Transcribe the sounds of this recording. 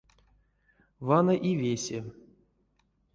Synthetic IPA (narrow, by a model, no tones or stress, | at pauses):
vanaʔivʲesʲe